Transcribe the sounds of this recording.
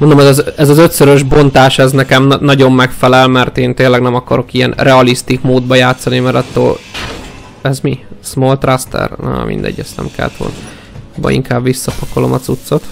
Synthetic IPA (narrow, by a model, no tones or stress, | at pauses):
mond̪omɛzɒzɛzɒzøt̪søɾøʒbo̞nt̪aːʃɛznɛkɛmnnɒɟo̞mːɛkfɛlɛlmɛrt̪eːnt̪eːlːɛɡnɛmɒkɒɾo̞kijɛ̰nrɛɒlist̪ikmoːd̪̚bɒjaːt̪sɒnimɛɾɒt̪ːo̰ːl | ɛzmismolt̪rast̪ɛ̰rn̰mʔḭnd̪ɛ̰ɟːɛst̪nɛ̰mkɛ̰lːɛ̰t̪ʋo̰ln | bɒ̰ḭŋkaːbʋisːɒpɒko̞lo̞̰mɒt̪sut̪so̞t̪